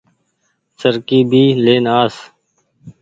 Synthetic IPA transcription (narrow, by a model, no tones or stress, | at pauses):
səɾkiːbʱiːleːnaːs